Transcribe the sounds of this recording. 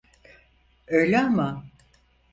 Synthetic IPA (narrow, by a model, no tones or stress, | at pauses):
ø̞jlʲɛama